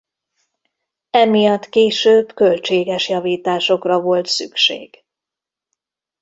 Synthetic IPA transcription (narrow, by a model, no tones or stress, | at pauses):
ɛmijɒt̪ːkeːʃøːbkølt͡ʃeːɡɛʃjɒviːt̪aːʃo̞krɒvo̞lt̪sykʃḛːɡ̥